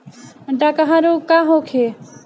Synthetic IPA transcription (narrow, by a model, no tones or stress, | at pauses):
ɖakaɦãɾukaɦõkʰe